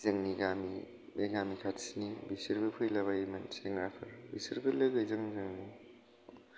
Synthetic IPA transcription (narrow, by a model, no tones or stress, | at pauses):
zɐŋniɡamḭ | beɡamikʰatsinibisiɾbɯpʰɯjlaβajimɐnseŋɡɾapʰɐɾbisiɾbɯlɯɡɯjzɐŋzɐŋni